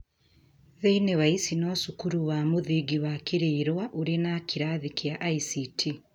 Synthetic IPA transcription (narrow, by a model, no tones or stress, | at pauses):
ðeinewaisinɔːsukuɾuwaːmoðiɡiwakiɾeːɾwaʔuɾenakʰiɾaːðikiaʔaisitʰi